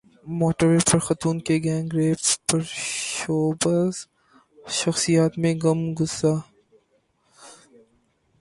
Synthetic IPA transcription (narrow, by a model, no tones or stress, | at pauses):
moːʈəɾːeːpɐɾxɐt̪uːnkeɡɛ̃ːŋɡɾeːppɐɾʃoːbɐz | ʃɐxsijaːt̪mẽɡɐmɡʊsaː